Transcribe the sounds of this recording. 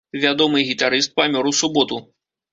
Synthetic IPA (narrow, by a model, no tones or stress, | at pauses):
vʲad̪ɔmɨɣʲit̪aɾɨst̪̚pamʲɔɾuwsubɔt̪u